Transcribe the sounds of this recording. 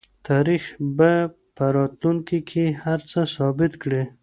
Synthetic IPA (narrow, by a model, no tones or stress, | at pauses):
t̪ʰɑɾixba | pəɾɑt̪luŋkikʰehaɾt͡səsɑbɪt̪kɽi